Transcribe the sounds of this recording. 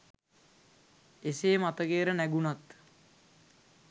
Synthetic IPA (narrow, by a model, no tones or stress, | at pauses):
eseːmat̪əɡeːɾənæɡunat̪